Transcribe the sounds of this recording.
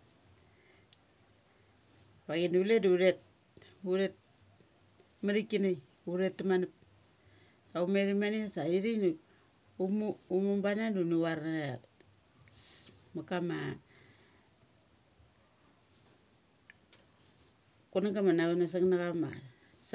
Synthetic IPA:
βaɡinuleduɾet̚ | uɾet̚ | maɾikinaj | uɾetːimanip̚ | saumeɾimaniasaiɾin | mːmumbanadunuwaɾna | makama | kunaɡamanaβanas̬aŋnakama̰ | s

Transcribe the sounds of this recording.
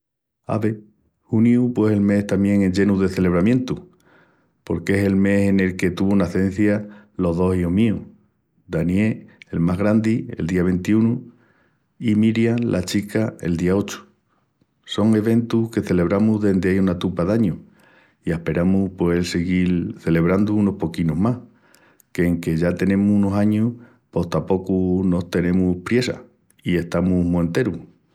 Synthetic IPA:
a̰βe̞ | hunjupwe̞selme̞ht̪amje̞ŋe̞ɲd͡ʒe̞nuðe̞θe̞le̞β̞ɾamjẽ̞nt̪u | po̞̰ɾke̞se̞lme̞se̞ne̞lke̞t̪uβunaθe̞n̟θjalo̞ɦðo̞siomiu | d̪anjeelmaɦɣɾand̪ie̞̰ld̪iaβ̞e̞nt̪iunu | imiɾjalʔa̰t͡ʃikaḛld̪iao̞t͡ʃu̥ | so̞ŋe̞βe̞nt̪uhke̞θe̞le̞β̞ɾamuɦðe̞nd̪eajunat̪upaðaɲu | iehpe̞ɾamuhpweselseɣilθe̞le̞β̞ɾand̪uuno̞hpo̞kinoɦmah | keːŋke̞ʝat̪e̞nẽ̞muunosaɲuh | po̞ht̪apo̞kuno̞ht̪e̞nẽ̞muhpɾje̞sa̰ | ie̞ht̪amuɦmuent̪e̞ɾu

